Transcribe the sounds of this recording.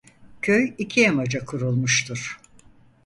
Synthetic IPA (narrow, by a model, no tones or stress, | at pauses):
cʰøjicʰiemad͡ʒakʰuɾulˠmuʃt̪ʰuɾ̥